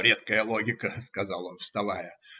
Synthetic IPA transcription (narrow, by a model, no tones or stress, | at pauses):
ɾʲet̪kəjəlˠo̞ɡʲɪkəskɐzɑlˠo̞nfst̪ɐvajə